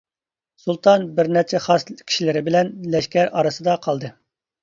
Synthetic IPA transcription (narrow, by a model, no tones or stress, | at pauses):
sulˠt̪ʰɑnbɪɾnɛɾt͡ʃʰɛχɑskʲʰi̥ʃilɪɾɪbɪlɛnlɛʃkʲɛɾʔɑɾɨsɨd̪ɑqʰɑlˠd̪ɨ